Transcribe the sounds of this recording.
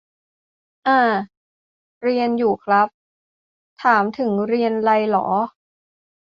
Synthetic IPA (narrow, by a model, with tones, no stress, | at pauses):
ʔaː˧˩ | ɾi˧ənjuː˨˩kʰla˦˥p̚ | t̪ʰaː˩˦mt̪ʰɯ˩˦ŋɾi˧ənla˧jlɔ̰ː˩˦